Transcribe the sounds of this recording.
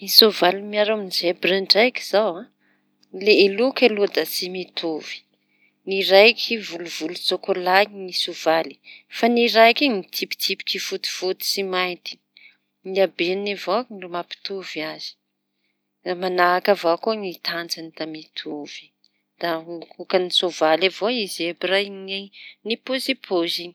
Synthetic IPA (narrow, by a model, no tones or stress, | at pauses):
misovalimiaɾaminizebɾaɳɖ͡ʐajki̥z̥awã | leelukelod̪asimit̪ʰuv̥i̥ | niɾajkʲʰivuluvulut͡sokolaɲinisuv̥ali̥faniɾajkinit̪ʰipi̥t̪ʰipi̥kifut̪i̥v̥ut̪i̥simajnt̪i̥ | niabennivoknrumapi̥t̪uviaz̥i̥ | amanaːkavakonit̪ʰand͡zanid̪̥amit̪ʰuv̥i̥ | d̪̥aukanisovalavoizebirajnenipozipʰoziɲi